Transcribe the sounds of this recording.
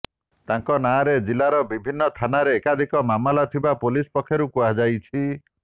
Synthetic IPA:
t̪aŋkɔnaɾed͡ʒilaɾɔbibʱinːɔt̪ʰanaɾeːkad̪ʱikɔmamalat̪ʰibapolispɔkʰːɔɾukuad͡ʒajt͡ʃʰi

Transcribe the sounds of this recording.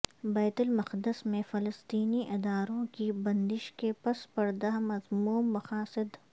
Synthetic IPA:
bɛːt̪ʊlmɐqd̪ɪsmẽfɐləst̪iːniʔɪd̪aːɾõkibɐ̃nd̪ɪʃkepɐspɐɾd̪aɦmɐzmuːmːɐxaːsɪd̪

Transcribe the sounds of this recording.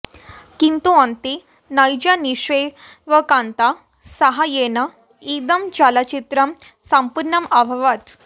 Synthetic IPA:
kint̪uant̪i | najd͡ʑaniʂe | ʋəkãnt̪a | saɦajena | id̪əmt͡ɕalat͡ɕit̪ɾəm | sampuɾɳɐmaʋʱəʋat̪

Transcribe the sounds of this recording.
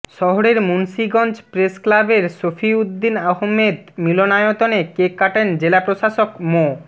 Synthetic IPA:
ʃɔɦoɾeɾmunʃiɡɔnd͡ʑpɾesklabeɾsofʰiud̪ːinaɦmed̪milonajot̪onekekːaʈend͡ʑelapɾoʃaʃokmo

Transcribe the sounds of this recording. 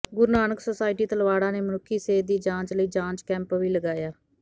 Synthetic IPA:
ɡʊɾnaːnəksəsaːɪʈiːt̪əlʋaːɽãːneːmənʊkʰːiːseːd̪iːd͡ʒãːt͡ʃləiːd͡ʒãːt͡ʃkɛ̃ːmpʋiːləɡaːjaː

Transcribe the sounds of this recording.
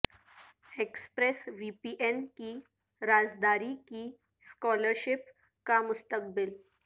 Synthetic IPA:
ekspɾesʋipiʔenkiː | ɾad͡zd̪aɾikiː | skɔləɾɕɪp | kamʊst̪ək̚bɪl

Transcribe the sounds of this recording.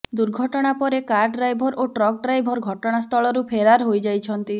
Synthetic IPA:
d̪uɾɡʱɔʈɔɽ̃apɔɾekaɾɖɾajbʱɔɾoʈɾɔk̚ɖɾajbʱɔɾɡʱɔʈɔɽ̃ast̪ʰɔɭɔɾupʰeɾaɾɦojd͡ʒajt͡ʃʰɔnt̪i

